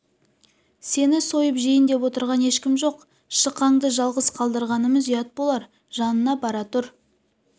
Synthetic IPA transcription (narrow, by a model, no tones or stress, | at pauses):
se̞nɪso̞jəpʒijənd̪e̞pwo̞t̪əɾʁɑne̞ʃkʲɪmʒo̞q | ʃəqːɑɴd̪əʒɑlˠʁəzqʰɑlˠd̪əɾʁɑnəməzijɑt̪̚bo̞lˠɑɾ | ʒɑnənɑbɑɾɑt̪ʊɾ